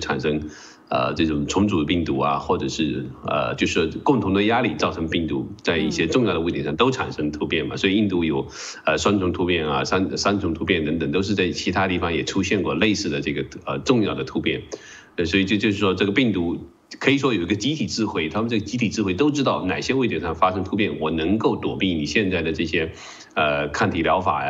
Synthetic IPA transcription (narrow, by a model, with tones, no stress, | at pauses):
ʈ͡ʂʰa̰˨˩nʂɤ˥ŋ | ə̰˧ʈ͡ʂɤ˥˩ʈ͡ʂʊ˨˩ŋʈ͡ʂʰʊ˧˥ŋʈ͡ʂu˨˩d̪ə˦pi˥˩ŋt̪u˧˥ɐ̰˧xwɔ˥˩ʈ͡ʂɤ˨˩ʂɻ̩˥˩ə̰˧˩t͡ɕjo˥˧ʊʂ̩˥˩wɔ˥kʊ˥˩ŋt̪ʰʊ˧˥ŋd̪ə˧ja˥li˥˨˩t͡sɑ˥˩ʊʈ͡ʂʰɤ˧˥ŋpi˥˩ŋt̪ṵ˧˥t͡sa˥˧ɪḭ˥˩ɕjɛ˥ʈ͡ʂʊ˥˧ŋjɑ˥˩d̪ə˧˥˩t̪ʰi˧˥ʂɑ˥˧ŋt̪o˥ʊʈ͡ʂʰa̰˨˩nʂɤ˥ŋt̪ʰu˧˥pjɛ˥˩nmɐ̰˩swɔ˧˥i˨˩i˥˩nt̪u˧˥˩jo˨˩ʊ | ə˧ʂwa˥nʈ͡ʂʰʊ˧˥ŋt̪ʰu˧˥pjɛ˥˩nɐ̰˩sa˥n˧sa˥nt͡sʰʊ˧˥ŋt̪ʰu˧˥pjɛ˥˩nt̪ə˧˥ŋt̪ə˨˩ŋt̪o˥ʊʂɻ̩˥˧t͡sa˥˩ɪt͡ɕʰi˧˥t̪ʰa˥t̪i˥˩fɑ˨˧ŋjɛ˨˩ʈ͡ʂʰu˥ɕjɛ˥˧nkwɔ̰˥˧le˥˧ɪsɹ̩˥˩d̪ə˩ʈ͡ʂɤ˥˩ɡə˩ə̰˧ʈ͡ʂʊ˥˧ŋjɑ˥˩ʊd̪ə˩t̪ʰu˧˥pjɛ̰˥˩n˥˩ | swɔ˧˥i˨˩t͡ɕjo˥˧ʊt͡ɕjo˥˧ʊʂɻ̩˥˩ʂwɔ˥ʈ͡ʂɤ˥˩ɡə˩pi˥˩ŋt̪u˧˥ | kʰɤ˧˥i˨˩ʂwɔ˥jo˨˩ʊi˧˥ɡə˧t͡ɕi˧˥t̪ʰi˨˩ʈ͡ʂɻ̩˥˧xwe˥˩ɪt̪ʰa˥mə˧nʈ͡ʂɤ˥˩ɡə˩t͡ɕi˧˥t̪ʰi˨˩ʈ͡ʂɻ̩˥˧xwe˥˧ɪt̪o˥ʊʈ͡ʂɻ̩˥t̪ɑ˥˩ʊna˨˩ɪɕjɛ˥we˥˩ɪt̪jɛ˨˥˩ʂɑ˥˩ŋfa˥ʂɤ˥ŋt̪ʰu˥p̬jɛ˥˩nwɔ˨˩nə˧˥ŋko˥˩ʊt̪wɔ̰˨˩pi˥˩ni˨˩ɕjɛ˥˧nt͡sa˥˩ɪd̪ə˩ʈ͡ʂɤ˥˩ɕjɛ˥ | ə˧kʰa˥˩nt̪ʰi˧˥ljɑ̰˧˥ʊfa̰˨˩j̰